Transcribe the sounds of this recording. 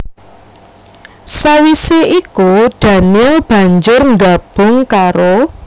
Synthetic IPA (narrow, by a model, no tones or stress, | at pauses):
sawiseikud̪̥ä̤nɪlb̥ä̤ɲd͡ʒʊrŋɡab̥ʊ̤ŋkaɾo